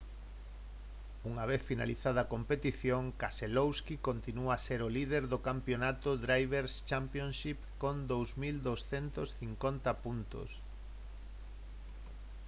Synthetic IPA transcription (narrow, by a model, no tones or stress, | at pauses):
uŋaβ̞eθfina̰lḭθað̞ɐakompet̪iθjoŋkaselowskikont̪inuaseɾʊlið̞eɾðʊkampjonat̪ʊd̪ɾajβ̞eɾst͡ʃampjõnʃipkond̪owsmild̪owsθent̪osθiŋkont̪ɐpunt̪o̰s